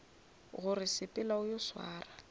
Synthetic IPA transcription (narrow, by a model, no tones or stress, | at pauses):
ɣʊrɪsɪpʼɪlaʊjɔswa̰ːra